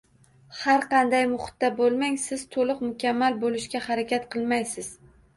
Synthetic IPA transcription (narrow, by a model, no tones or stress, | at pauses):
haɾqʰɑnd̪ajmʊχʊ̥t̪ːabolˠmaŋsɪz̥t̪ʰolɨqmʊkʲʰamːalbolɪʃkʲahaɾakʲat̪qʰɨlˠmajsɪz̥